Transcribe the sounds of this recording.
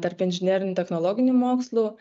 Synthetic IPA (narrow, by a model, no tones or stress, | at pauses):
t̪ɐɾpɪnʲʒʲɪnʲɛːɾʲɪnʲʊt̪ʲɛxnɔlˠɔːɡʲɪnʲumoːkslˠuː